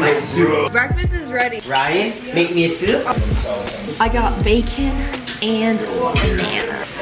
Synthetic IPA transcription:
maɪsʉb̥ɹɛkfɨstɨzɹɛɾiɹaɪt̚ | meɪk̚miɨsʉ | aɪɡɑt̚b̥eɪkʰɨ̃nɨ̃nmæ̰nə̰

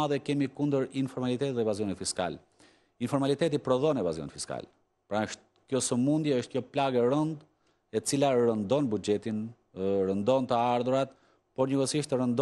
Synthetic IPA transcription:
aðɛkɛmikund̪əɾinfɔɾmalit̪ɛt̪t̪ðɛvazijɔnifiska̰l | infɔɾmalit̪ɛt̪̬ipɾɔðɔnɛvazijɔ̰nfiska̰l | pɾaəʃt̪ | kjɔsəmund̪jɛəʃt̪̚kjɔplaɡɛɾənd̪ | ɛt͡silaɾənd̪ɔnbud͡ʒɛt̪in | ɾənd̪ɔnt̪əaɾðuɾat̪ | pɔɾɲəɡəsiʃt̪əɾənd̪

